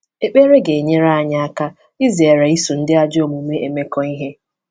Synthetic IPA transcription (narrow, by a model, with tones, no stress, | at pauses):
e˦k͡pe˦ɾe˦ɡe˨e˨ɲe˦ɾa˦a˨ɲa˨a˦ka˦ | i˦zi˨e˨ɾa˨i˦su˨n̩˦dɪ˦a˦d͡ʒo˦˨mu˨me˦ʔe˨me˦kɔ˨i˦ɦe˦